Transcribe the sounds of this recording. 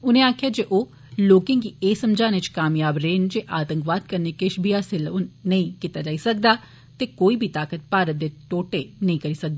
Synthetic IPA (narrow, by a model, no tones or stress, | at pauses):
ʊnẽːaːkʰɪjaːd͡ʒeːʔoː | loːkẽːŋkiːeːsəmd͡ʒaːnet͡ʃkaːmjaːbɾeːnd͡ʒeːʔaːt̪ə̃ŋkʋaːd̪̚kəɾnekeːʃbiːaːsɪlonəĩːkit̪aːd͡ʒaːiːsək̚d̪aː | t̪eːkoːiːbʱiːt̪aːkət̪̚paːɾət̪̚d̪eːt̪oːʈeːnəĩːkəɾiːsək̚d̪aː